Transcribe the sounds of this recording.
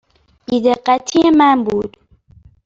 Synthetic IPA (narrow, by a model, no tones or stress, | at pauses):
b̥id̪eɢːæt̪ʰiemænbuːd̪̥